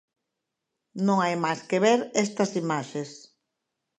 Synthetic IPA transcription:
nõŋajmajskeβeɾɛst̪ɐsimaʃes

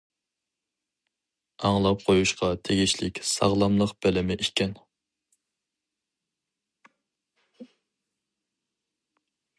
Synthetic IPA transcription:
ɑŋlˠɑp̚qʰojuʃqʰɑt̪ʰeɡʲiʃlɪkʲsɑ̰ʁlˠɑmlˠəqb̥ɛlɪmɪʔikʲɛn

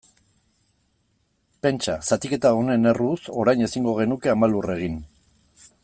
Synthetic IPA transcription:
pe̞nt͡ʃasat̪ike̞t̪aone̞ne̞ruso̞ɾajne̞siŋɡo̞ɣ̞e̞nuke̞amalure̞ɣ̞in

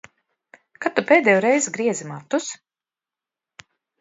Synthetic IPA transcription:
kat̪ːupeːd̪ɛːjuɾɛjzɡɾiɛzimat̪ːus

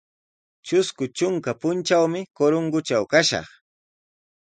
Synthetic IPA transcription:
t͡ʃʊskʊt͡ʃʊŋkapʊnt͡ʃawmɪkoɾoŋɡʊt͡ʃawkaʃɑ̰χ

